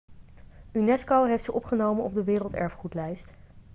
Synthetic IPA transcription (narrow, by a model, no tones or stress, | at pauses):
ynɛskowɦejftsəʔɔpχənowmənɔbdəʋɪːrəlˠtɛ̰ɹfχutlɛjst